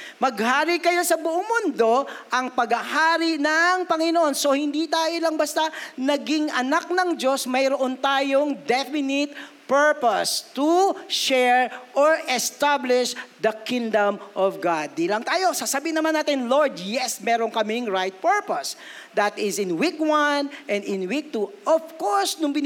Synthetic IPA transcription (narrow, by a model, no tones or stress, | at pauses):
mɐɡ̚haːɾikɐjo̞sɐbʊʔoŋmʊnd̪o̞ʔɐŋpɐɡɐhaːɾinɐŋpɐŋɪnoʔo̞nso̞hɪnd̪it̪aːjolɐŋbɐst̪anɐɡɪŋʔɐ̰nak̚nɐŋd͡ʒo̞smɐjɾoʔont̪aːjoŋd̪ɛfɪnɪt̪̚ | pɛɹpost̪uʃɛɹʔɔɹɛst̪ablɪʃd̪ɐkɪ̃ŋd̪ɐmʔɔvɡad̪̚ːilɐŋt̪aːjo̞sasɐbiːnɐmanaːt̪ɪnloɹd̪jɛsmɛːɾoŋkɐmɪŋɹajt̪̚pɛɹpos | d̪ɐt̪ɪsɪnwikwɐnʔɛ̃nd̪ɪ̃nwik̚t̪uʔɔvkoɹsnʊŋbɪn